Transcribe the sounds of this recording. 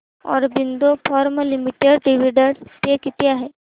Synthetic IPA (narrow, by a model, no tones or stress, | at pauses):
ɔ̰ːɾbɪnd̪opʰɔːɾmlimiʈeɖɖiʋiɖəɽsekit̪ijaɦɛ